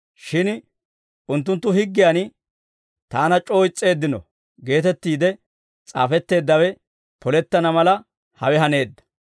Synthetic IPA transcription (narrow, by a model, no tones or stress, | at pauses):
ʃɪn | ʊnt̪̬ːʊnt̪ːʊhɪɡːɪjan | t̪aːnɐt͡ʃʼo̞ːjɪt͡sʼːe̞ːd̪ːɪnɔ | ɡe̞ːt̪ɛt̪ːiːd̪ɛ | t͡sʼa̰ːfɛt̪ːe̞ːd̪ːɐwɛ | pʰɔlɛt̪ːɐnɐmɐlɐ | hɐ̰wɛɦɐne̞ːd̪ːɐ̥